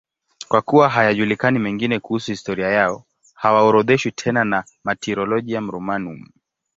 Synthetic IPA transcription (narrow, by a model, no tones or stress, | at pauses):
kwakuwaɦajaʄulikanimɛŋɡinɛkuhusuhistɔɾiajaɔ | hawaɔɾɔðɛʃwitʰɛnana | matɛɾɔlɔʄiam̩ɾɔmanum